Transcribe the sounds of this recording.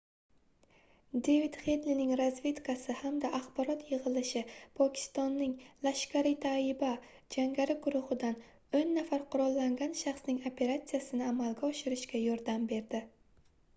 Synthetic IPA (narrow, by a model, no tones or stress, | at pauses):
d̪evid̪χed̪linɪŋɾazve̞t̪kasɪhamd̪aʔːχbɒɾɒt̪ʰjɪʁɨlɪʃɪpʰɒkʲʰɪ̥st̪ɒnːɪŋlaʃkʲaɾɪt̪ʰaɪba | d͡ʒaŋɡʲaɾɪɡʊɾʊʁɨd̪an | onːafaɾqʰʊɾɒlˠːaŋɡʲanʃaχsnɪŋopʰe̞ɾat̪sijasɪnɪamalɡʲaɒʃɪɾɪʃkʲajɒɾd̪ambe̞ɾd̪ɪ